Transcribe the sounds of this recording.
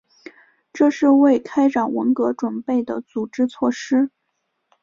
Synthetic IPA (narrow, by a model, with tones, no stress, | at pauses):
ʈ͡ʂɤ˥˧ʂɻ̩˥˧we˥˩ɪkʰa˥ɪʈ͡ʂɑ˨˩nwə̰˧˥nkɤ˧˥ʈ͡ʂwə˨˩npe˥˩ɪd̪ə̰˩t͡su˨˩ʈ͡ʂɻ̩˥t͡sʰwɔ˥˩ʂɻ̩˥